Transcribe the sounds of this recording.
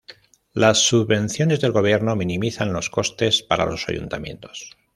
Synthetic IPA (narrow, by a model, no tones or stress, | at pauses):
lasːuββe̞nθjo̞ne̞zðelɣo̞β̞je̞ɾno̞mĩnĩmiθanlo̞sko̞st̪e̞spaɾa̰lo̞̰sa̰jṵnt̪amjẽ̞̰nt̪o̞̥s